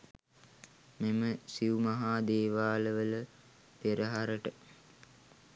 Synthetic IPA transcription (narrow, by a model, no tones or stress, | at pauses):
meməsiumaɦaːd̪eːʋaːləʋələ | peɾəɦaɾəʈə